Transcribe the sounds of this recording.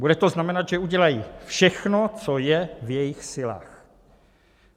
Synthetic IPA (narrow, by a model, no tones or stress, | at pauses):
budɛt̪oznamɛnad̪ʒɛuɟɛlajifʃɛxnot͡sojɛvjɛjɪxsɪla̰ːx